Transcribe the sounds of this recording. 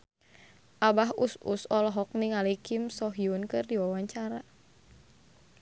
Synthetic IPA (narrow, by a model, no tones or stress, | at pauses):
ʔabaɦusṵsɔlɔɦɔk̚niŋalikimsɔɦiunkɨrdiwawaɲt͡ʃaɾa